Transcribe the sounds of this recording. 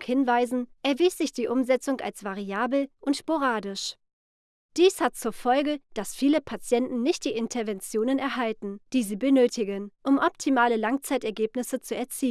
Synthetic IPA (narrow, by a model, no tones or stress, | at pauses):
hɪnvaɪzn̩ʔɛɐviːsz̥ɪçd̥iːʔʊmzɛt͡sʊŋa̰lsv̥aʁiaːbl̩ʔʊntʃpoʁaːdɪʃ | d̥iːshat̚t͡suːɐfɔlɡəd̥asfiːləpʰat͡sjɛntn̩nɪçt̚d̥iːʔɪntʰɛɐvɛnt͡sjoːnənɛɐɦaltn̩d̥iːziːbənøːtʰɪɡənʔʊmʔɔptʰimaːləlaŋt͡saɪtɛɐɡeːpnɪsət͡suɛɐt͡siː